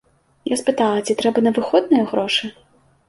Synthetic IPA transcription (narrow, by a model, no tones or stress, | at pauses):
jaspɨt̪alˠɐt͡sʲit̪ɾɛbɐnɐvɨxɔd̪̚nɨjɐɣɾɔʂɨ